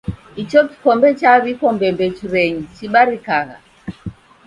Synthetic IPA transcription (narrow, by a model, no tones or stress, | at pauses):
it͡ʃɔki̥kɔmbɛt͡ʃaβikɔmbɛmbɛt͡ʃuɾɛɲit͡ʃiɓaɾikaɣa̰